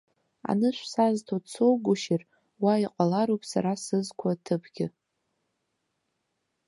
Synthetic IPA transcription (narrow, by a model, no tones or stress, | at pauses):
a̰nɨʃʷsaztʰot͡sʰowɡʷʊʃɪr | waiqʼalaɾowpʼsaɾasɨzkʷʰatʰɨpʰɡʲɪ